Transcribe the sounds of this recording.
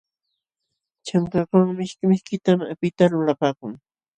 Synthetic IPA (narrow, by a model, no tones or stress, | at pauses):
t͡ʃaŋkakaŋmɪʃkɪmɪʃkɪt̪amapɪt̪alʊlapaːkʊŋ